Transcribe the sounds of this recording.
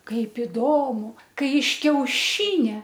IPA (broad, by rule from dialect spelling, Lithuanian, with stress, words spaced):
ˈkɐɪp ɪˈdoːmʊ ˈkɐɪ ɪʃ kʲɛʊˈʃʲiːnʲɛ